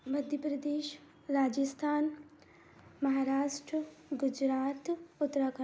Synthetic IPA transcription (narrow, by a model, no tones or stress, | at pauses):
məd̪ʱjəpɾɐd̪eːʃ | ɾaːd͡ʒəst̪ʰaːn | mɐɦaːɾaːʃʈɾəɡʊd͡ʒɾaːt̪ʊt̪ːəɾakə